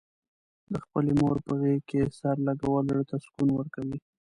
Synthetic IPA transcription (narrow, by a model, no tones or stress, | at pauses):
d̪əxpəlemoɾpəɣekesaɾlaɡawəlɽt̪askunwəɾkawi